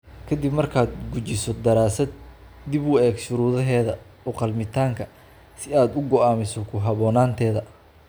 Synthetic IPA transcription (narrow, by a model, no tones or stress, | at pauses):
kʰɐd̪ɪbmɐrkʰaːd̪ɡut͡ʃɪsɔd̪ɐɾaːsɐd̪̚d̪ɪbʊɛːɡʃʊɾuːðɐɦɛːðɐ | ɔqɑlmɪt̪ʰaːŋkʰɐ | sɪaːd̪ʊɡɔaːmɪsɔkʰʊɦɐβɔːnaːnt̪ʰɛːðɐ